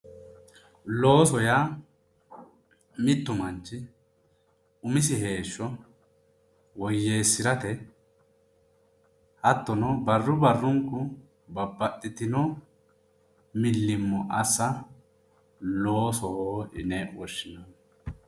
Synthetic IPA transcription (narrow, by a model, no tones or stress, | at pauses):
lo̞ːsɔja | mɪt̪ːʊmɐnt͡ʃːɪ | ʊmɪs̬ɪhe̞ːʃːɔ | wɔjːeːsːɪɾɐt̪ɛ | hɐt̪ːɔnɔbɐrːʊbɐrːʊŋkːʊ | bɐbːɐt̪ʼːɪt̪ɪnɔ | mɪlːɪmːɔʔɐsːɐ | lo̞ːsɔhoːɪ̰nɛʔwɔʃːɪnɐn